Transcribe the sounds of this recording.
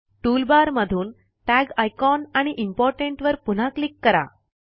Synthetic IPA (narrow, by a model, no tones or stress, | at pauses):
ʈulbaɾməd̪ʱuːn | ʈæɡajkɔnaɽ̃iʔimpɔɾʈeɳʈʋəɾpun̤aklikːəɾa̰